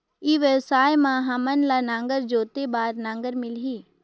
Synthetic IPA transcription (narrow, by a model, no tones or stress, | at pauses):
iːʋjəʋsaːjmãɦãmənlanãːŋɡəɾd͡ʒoːt̪ebaːɾnãːŋɡəɾmɪlɦiː